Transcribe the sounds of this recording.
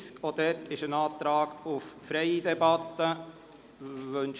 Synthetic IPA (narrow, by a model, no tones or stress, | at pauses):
skod̪ɛʈɪʃənɑːt̪ɾɑːɡʊffɾɛɪd̪ɛbɑt̪ːə | ʋɵn